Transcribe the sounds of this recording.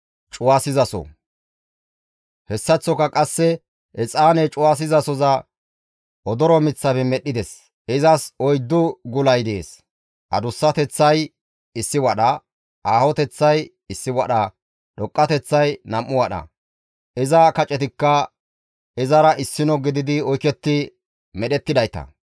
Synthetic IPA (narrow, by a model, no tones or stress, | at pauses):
t͡ʃʼʊwaːsɪzɐsɔ̰ | hɛsːɐt͡sːɔkɐkʼɐsːɛ | ʔɛt͡sʼaːnɛt͡ʃʼʊwaːs̬ɪzɐsɔzɐ | ʔɔd̪ɔɾɔmɪt͡sːɐbɛmɛɗːɪd̪ɛs | ɪzɐsɔjd̪ːʊɡʊlɐjd̪eːs | ʔɐ̰d̪ʊsːɐt̪ɛt͡sːɐj | ɪsːɪwɐɗɐ | ʔaːhɔt̪ɛt͡sːɐj | ɪsːɪwɐɗɐ | ɗɔkʼːɐt̪ɛt͡sːɐjnɐmːʊwɐɗɐ̰ | ɪzɐkɐt͡ʃʼɛt̪ɪkːɐ | ɪzɐɾɐʔɪsːɪnɔɡɪd̪ɪd̪ɪɔjkɛt̪ːɪ | mɛɗɛt̪ːɪd̪ɐjt̪ɐ̰